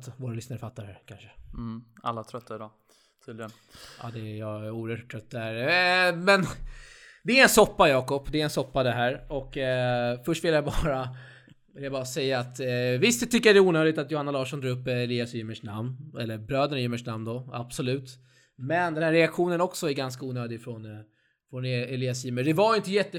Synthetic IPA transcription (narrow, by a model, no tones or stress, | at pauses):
t̪voːɾalʏsnaɾəfat̪ːaɾhæ̰ɾkʰanʂə̥ | a̰lːat̪ʰɾœt̪ʰːaɪd̪ɔ | t̪ʰiːd̪lɪɡən | ʔɑ̰ːd̪ɛjauːəɾhœʈʰːɾœt̪ːaæɾmɛn | d̪ɛːɾɛnsɔpːajɑːkɔpːd̪ɛɾɛnsɔpːad̪ɛɦæːɾɔkːfœʂʈvɪljabɑːɾa | vɪljabɑːɾasɛjːaːt̪vɪst̪t̪ʰːʏkːəjad̪ɛuːnøːd̪ɪt̪at̪jʊhanːalɑːʂɔnd̪ɾɑːɵpːɛliːasiːmːəʂnamnɛlːəɾbɾøːd̪ənjʏːmːəʂnamnd̪ɔab̥sɔlʉ̟ːt̪ | mɛnd̪ɛnhæːɾɛakɧuːnənɔksɔæɾɡanskauːnøːd̪ɪɡfɾɔn | fɾɔnɛlɪːasiːməɖɛvaɾjʏɪnt̪̬əjɛt̪ːə